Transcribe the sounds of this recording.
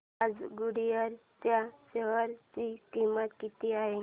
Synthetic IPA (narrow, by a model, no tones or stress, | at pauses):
ad͡zɡuɽijaɾt̪jaɕeʋəɾt͡ɕikimət̪kit̪iaɦe